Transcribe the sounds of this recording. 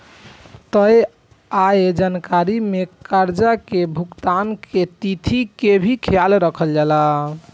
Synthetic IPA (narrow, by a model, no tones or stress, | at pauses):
t̪əj | aed͡ʒankaɾimekaɾd͡ʒakebʱukt̪anket̪it̪ʰikebʱikʰjalɾəkʰəld͡ʒala